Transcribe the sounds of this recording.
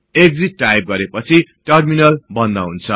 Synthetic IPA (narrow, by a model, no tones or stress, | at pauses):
eɡd͡ziʈːajp̚ɡʌɾepʌt͡sʰiʈʌrminʌlbʌnd̪aɦunt͡sʰʌ